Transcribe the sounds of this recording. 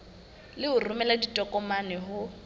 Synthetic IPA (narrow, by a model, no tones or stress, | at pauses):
lɪʊrʊmɛladitʼɔkʼɔmanɛɦʊ